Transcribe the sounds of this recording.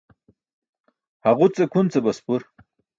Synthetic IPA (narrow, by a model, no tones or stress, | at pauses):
haʁut͡sekʰunt͡sebɐspuɾ